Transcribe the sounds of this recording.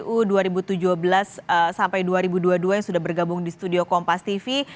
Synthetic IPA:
ʔuduaɾibut̪ud͡ʒʊhbəlasəsampajduaɾibuduaduajaŋsudahbərɡabʊŋdist̪udiokɔmpast̪ifi

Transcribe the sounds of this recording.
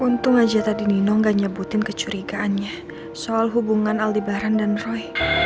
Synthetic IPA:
unt̪ʊŋad͡ʒat̪adininɔŋɡaɲəbut̪ɪnkət͡ʃuɾiɡaːnɲa | soalɦubuŋanaldibaɾandanrɔj

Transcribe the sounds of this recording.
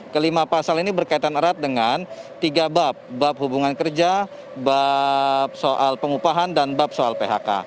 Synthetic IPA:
kəlimapasalinibərkait̪anəɾat̪̚dəŋant̪iɡabap̚bap̚hubuŋankərd͡ʒa | bap̚soʔalpəŋupaɦandanbap̚soalpeɦa̰ka̰

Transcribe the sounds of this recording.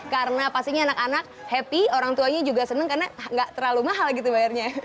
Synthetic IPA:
kaɾənapast̪iɲaːnakanak̚hɛpioɾaŋt̪uaɲad͡ʒuɡasənəŋkarnaŋɡaʔt̪əɾalumaɦalɡit̪ubajarɲa

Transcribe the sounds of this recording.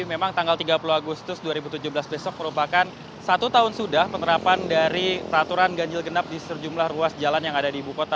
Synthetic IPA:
memaŋt̪aŋɡalt̪iɡapuluaɡust̪ʊsduaɾibut̪ud͡ʒuhbəlasbesɔk̚məɾupakan | sat̪ut̪aɦʊnsudahpənəɾapandaɾipɾat̪uɾanɡaɲd͡ʒɪlɡənap̚disəd͡ʒumlahruasd͡ʒalanjaŋadadiːbukot̪a

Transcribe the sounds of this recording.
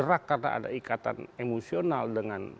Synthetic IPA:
əɾakːarna̰a̰da̰ikat̪a̰nemosionaldəŋan

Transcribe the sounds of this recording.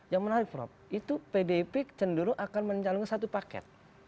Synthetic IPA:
jaŋmənaɾɪk̚pɾɔ̰p̚it̪upedepɪk̚t͡ʃəndəɾuʔakanməɲt͡ʃaluŋkansat̪upakɛ̰t̪̚

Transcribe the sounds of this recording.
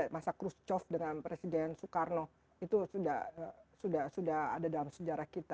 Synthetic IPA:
masakɾust͡ʃɔfdəŋanpɾesidɛnsukarno | it̪usudahsudahsudaha̰dadalamsəd͡ʒaɾahkit̪a

